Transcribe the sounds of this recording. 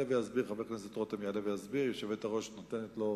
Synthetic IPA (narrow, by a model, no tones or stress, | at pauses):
evejazbiʁχavekneset̪ʁot̪emjalevejazbiʁjeʃevet̪aʁo̞ʃnot̪enetlo̞